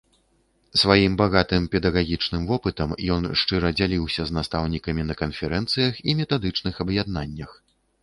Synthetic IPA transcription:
svajimbaɣat̪ɨmpʲɛd̪ɐɣaɣʲit͡ʂnɨmvɔpɨt̪ɐmjɔnʂt͡ʂɨɾɐd͡zʲalʲiwsʲɐznast̪awnʲikɐmʲinɐkɐnfʲɛɾɛnt̪sɨjɐximʲɛt̪ad̪ɨt͡ʂnɨxɐbjad̪̚nanʲːɐx

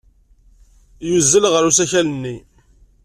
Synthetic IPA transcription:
juzːəlʁəɾusæçælənːi

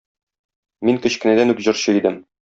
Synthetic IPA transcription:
miŋkɵ̆ɕkɘ̆næd̪ænʉkʑɤ̆ɾɕɤid̪ɘm

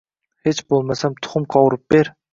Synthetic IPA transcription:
het͡ʃbolˠmasamt̪ʰʊ̥χʊmqʰɒwɾɪp̚b̥eɾ

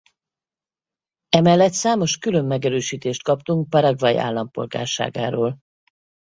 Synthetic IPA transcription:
ɛmɛlːɛt̪saːmo̞ʃkylømːɛɡɛɾøːʃiːt̪eːʃt̪̚kɒpt̪uŋk̚pɒɾɒɡrɒjḭʔa̰ːlːɒmpo̞̰lɡa̰ːrʃa̰ːɡa̰ːɾoːl

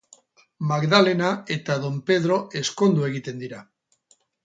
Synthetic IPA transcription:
maɡðalenaet̪aðompeð̞ɾoeskond̪ueɣit̪e̞nd̪iɾa

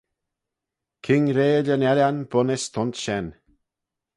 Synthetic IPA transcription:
kʰɪŋɾeːəlʲənɛɾanb̥ʊnɪst̪ʰɔnt̪ʃɛn

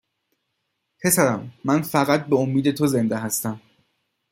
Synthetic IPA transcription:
pʰe̞sæɾæmːænfæɣæt̪̚be̞omːiːd̪e̞t̪ʰoze̞nd̪eɦæst̪æm

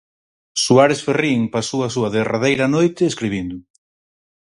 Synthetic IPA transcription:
suaɾesferiŋpasoɐsuɐðeraðejɾɐnojt̪ɪːskɾiβind̪ʊ

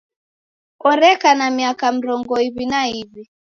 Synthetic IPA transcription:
ɔɾɛkanamiakam̩ɾɔŋɡɔiβinaiβi

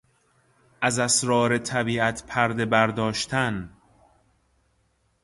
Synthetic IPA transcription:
ʔæzæsɾɒːɾe̞t̪ʰæbiːæt̪ʰpʰæɾd̪e̞bæɾd̪ɒːʃt̪ʰæn

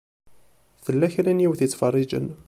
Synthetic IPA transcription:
θəlːæçɾænjiwθit͡sːfɑrˤːid͡ʒə̰n

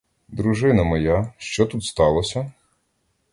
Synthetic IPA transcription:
d̪ɾuʒɪnɐmɔjaʃt͡ʃɔt̪ut̪st̪ɑlˠɔsʲɐ

